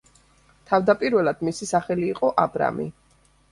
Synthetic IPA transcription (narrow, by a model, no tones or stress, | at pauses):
t̪ʰavd̪apʼiɾvɛlˠad̪̥misisaχɛliːqʼɔʔabɾa̰mḭ